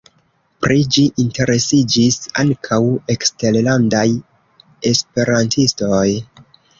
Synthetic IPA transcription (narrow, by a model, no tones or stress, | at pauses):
pɾid͡ʒiʔinte̞ɾe̞sid͡ʒisa̰ŋkʰawe̞kste̞llandaj | e̞spe̞ɾantʰistoj